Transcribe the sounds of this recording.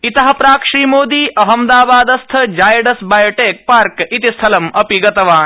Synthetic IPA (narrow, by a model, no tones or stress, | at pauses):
it̪ɐɦɐ̆pɾaːkʂiːmoːd̪iːʔɐɦɐmd̪aːbaːd̪ɐst̪ʰɐd͡ʒaːjɐɖɐsbaːjoʈeːk̚paːɾkit̪ist̪ʰɐlɐmɐpiɡɐt̪ɐʋaːn